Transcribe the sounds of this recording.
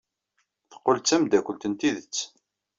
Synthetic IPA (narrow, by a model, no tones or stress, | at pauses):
θə̥qːolt͡sːæmd̪ækʷːəlt̪ənt̪iðət͡sː